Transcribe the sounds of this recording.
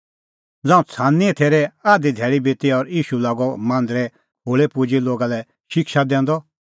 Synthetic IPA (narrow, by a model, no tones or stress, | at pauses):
d͡zãːũt͡sʰãːnit̪ʰeːɾɛaːd̪id̪ʱɛːɭibet̪iɔɾiːʃulaːɡɔmãnd̪ɾɛ | ɦoːɭepud͡ʒiloːɡalɛ | ʃɪkʃad̪ɛ̃ːnd̪ɔ